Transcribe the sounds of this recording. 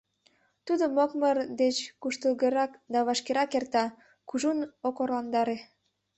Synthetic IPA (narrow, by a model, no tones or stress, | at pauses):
t̪ud̪omokmərd̪et͡ɕkuʃt̪əlɣəɾɑkd̪ɑβɑʃkeɾɑkert̪ɑ | kuʒunokorlɑnd̪ɑɾe